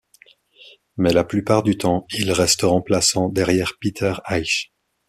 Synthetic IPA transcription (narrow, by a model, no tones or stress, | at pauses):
mɛlaplypaʁd̪yt̪ɑ̃ilʁɛst̪əʁɑ̃plasɑ̃d̪ɛʁjɛːʁpit̪ʰœʁajʃ